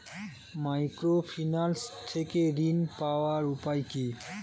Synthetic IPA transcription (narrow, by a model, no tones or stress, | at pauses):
majkɾopʰinalst̪ʰekeɾinpaoaɾupajki